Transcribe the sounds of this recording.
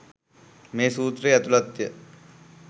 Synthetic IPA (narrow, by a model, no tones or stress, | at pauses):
meːsuːt̪reːɐt̪ulɐt̪jə